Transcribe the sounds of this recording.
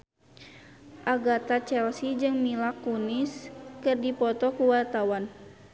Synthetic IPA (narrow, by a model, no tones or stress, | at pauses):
ʔaɡat̪at͡ʃɛlsid͡ʒɨŋmilakːuniskɨrdipɔt̪ɔkuwart̪awan